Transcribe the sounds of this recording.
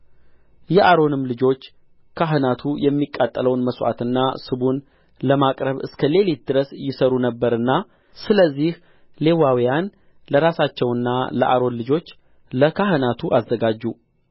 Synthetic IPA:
jɛʔaɾo̞nɨmlɨd͡ʒo̞t͡ʃː | kʰaɦɨnat̪ʰujɛmːikʼːat̪ʼːələwnməsʔa̰t̪ɨnːasɨβun | ləmakʼɾəβɨ̰skʰəle̞lit̪̚d̪ɨɾəsjɪsəɾunəbːəɾɨnːa | sɨləzːih | le̞wawijan | ləɾasat͡ʃːɛwɨnːa̰lə̰ʔaɾo̞nlɨd͡ʒo̞t͡ʃː | ləkʰaɦɨnat̪ʰuʔazːəɡad͡ʒːu

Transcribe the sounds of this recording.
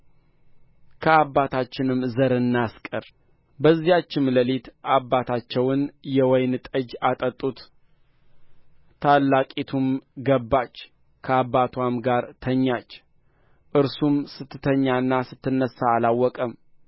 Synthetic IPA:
kʰəabːat̪ʰat͡ʃːɪnɨmzəɾɨnːaskʼəɾ | bəzːijat͡ʃːɪmləlit̪abːat̪ʰat͡ʃːɛwɨnjɛwɔjnt̪ʼəd͡ʒat̪ʼət̪ʼːut̪ | alːakʼet̪ʰumɡəbːat͡ʃː | kʰəabːat̪ʰwamɡaɾt̪ʰəɲːat͡ʃː | ʔɨɾsumsɨt̪ːɨt̪ʰəɲːaɨnːasɨt̪ʰːɨnːəsaːlawːɔkʼəm

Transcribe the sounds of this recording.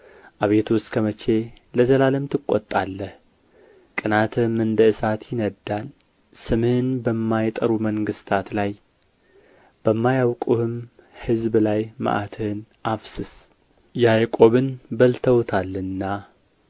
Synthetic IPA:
ʔaβe̞t̪ʰust̪kʰəmət͡ʃʰe̞ | ləzəlaləmt̪ʰɨkʼːo̰t̪ʼːalːəh | kʼɨnat̪ʰɨmɨnd̪əɨsat̪ʰjɪnəd̪ːan | sɨmɨhɨnbəmːajt̪ʼəɾuməŋɡɨst̪ʰat̪laj | b̥əmːajawkʼuhɨm | hɨzblajma̰ʔat̪ʰɨhɨnʔafsɨs | jajkʼo̞βɨnbəlt̪ʰəwt̪ʰalːɨnːa

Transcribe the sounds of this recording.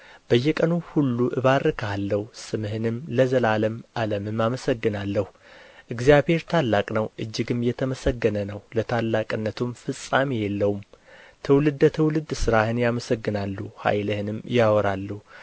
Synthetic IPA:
b̥əjːɛkʼənuhulːuʔɨβaɾɨkʰəhalːəhusɨmhɨnɨmləzəlaləmʔaləmɨmːaməsəɡːɨnalːəhu | ʔɨɡzijabhe̞ɾt̪ʰalːakʼnəwʔɨd͡ʒːɨɡɨmjɛt̪ʰəməsəɡːənənəwlət̪ʰalːakʼɨnːət̪ʰumfɨsʼːamejɛlːəhumt̪ʰəwlɨd̪ːət̪ʰəwlɨd̪sɨɾahɨnjaməsəɡːɨnalːuha̰jləhɨnɨmjawɔɾalːuhu

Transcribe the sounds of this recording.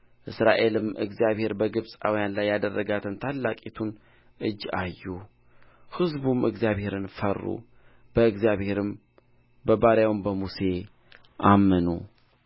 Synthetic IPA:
ʔɨsɾaʔe̞lɨmʔɨ̰ɡzijaβhe̞ɾbəɡɨβsʼa̰wijanlajːad̪ərːəɡat̪ʰɨnt̪ʰalːakʼit̪ʰun | ʔɨd͡ʒːajːu | hɨzbumʔɨɡzjaβhe̞ɾɨnfərːṵ | b̥əɨɡzijaβhe̞ɾɨm | bəbaɾjawmbəmuse̞ | ʔamːənṵ

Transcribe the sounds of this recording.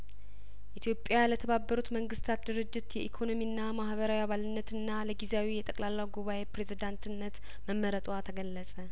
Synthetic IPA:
ʔit̪ʰjo̞pʼːjalət̪ʰəβabːəɾut̪məŋɡɨst̪ʰat̪̚d̪ɨɾɨd͡ʒːɪt̪jɛʔikʰo̞no̞miɨnːamahβəɾawiaβalɨnːət̪ʰɨnːaləɡizeawijɛt̪ʼəkʼlalːawɡuβaʔe̞pɾe̞zid̪ant̪ʰɨnːət̪ | məmːəɾət̪ʼwat̪ʰəɡəlːəsʼə

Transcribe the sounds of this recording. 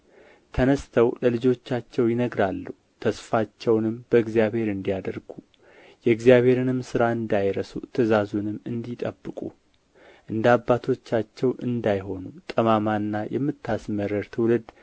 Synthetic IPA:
t̪ʰənəst̪ʰəwləlɨd͡ʒo̞t͡ʃːat͡ʃːɛwjɪnəɡɾalːuhut̪ʰəsfat͡ʃːɛwnɨmb̥əɨɡzjaβhe̞ɾɨnd̪ijad̪əɾɡu | jɛɨɡzijaβhe̞ɾɨnɨmsɨɾaɨnd̪ajɾəsut̪ʰəzazunɨmːɨnd̪it̪ʼəbːɨkʼu | ʔɨnd̪abːat̪ʰo̞t͡ʃːat͡ʃːɛwʔɨnd̪ajho̞nut̪ʼəmamanːajɛ̰mːɨt̪ʰːasməɾəɾt̪ʰɨwlɨd̪

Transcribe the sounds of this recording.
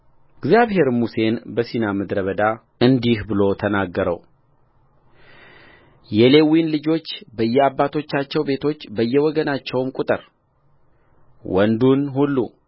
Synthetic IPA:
ɨɡzjaβhe̞ɾmuse̞nbəsinaməd̪ɾəβəd̪a | ɨnd̪ihbɨlo̞t̪ʰənaɡːəɾə̰w | jɛle̞winlɨd͡ʒo̞t͡ʃːbəjːɛabːat̪ʰo̞t͡ʃːat͡ʃːɛwbe̞t̪ʰo̞t͡ʃːbəjːɛwɔɡənat͡ʃːɛwmkʼut̪ʼɨɾ | wɔ̰nd̪unhulːu

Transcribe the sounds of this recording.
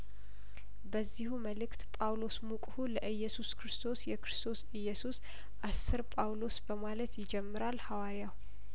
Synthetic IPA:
bəzːihuməlɨkt̪pʼawlo̞smukʼhuləʔɨjːɛsuskʰɾɨst̪ʰo̞sjɛkʰɾɨst̪ʰo̞sɨjːɛsus | ʔasːɨɾpʼawlo̞sbəmalət̪jɪd͡ʒɛmːɨɾalhawaɾijaw

